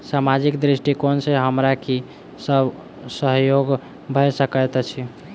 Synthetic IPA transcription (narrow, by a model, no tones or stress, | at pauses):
samad͡ʒikd̪ɾisʈikonseɦəmɾaki | səb | səɦjoɡ | bʱəsəkət̪t͡ʃʰi